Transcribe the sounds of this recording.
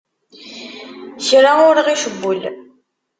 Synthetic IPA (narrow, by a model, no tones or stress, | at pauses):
çɾaʊɾʁiʃəbːʊl